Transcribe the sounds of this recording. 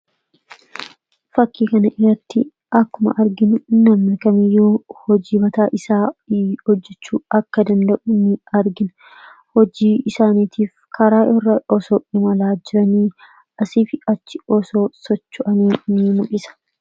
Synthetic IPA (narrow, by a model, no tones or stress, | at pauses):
fɐkːiːkɐnɐʔɪɾɐt̪ːɪ | ɐkːʊmɐ̰ʔɐɾɡɪnʊnɐmːɐkɐmɪjːuːhɔd͡ʒiːbɐt̪aːʔɪsaːhɔd͡ʒːɛt͡ʃːuːɐkːɐd̪ɐnd̪ɐʔʊnɪɐɾɡɪn | hɔd͡ʒiːɪsaːniːt̪ʰiːfkʰɐɾaːʔɔrːɐɔsoːᶑɪmɐlaːd͡ʒɪɾɐniː | ɐsiːfɪɐt͡ʃːɪɔso̞ːsɔt͡ʃːʊʔɐniːnɪmʊkʼɪsɐ̥